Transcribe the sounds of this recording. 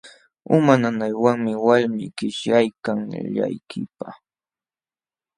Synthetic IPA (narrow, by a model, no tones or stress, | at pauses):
ʊmananajwaŋmɪwalmɪ̰kɪʃjajkaŋʎa̰jkʰɪpa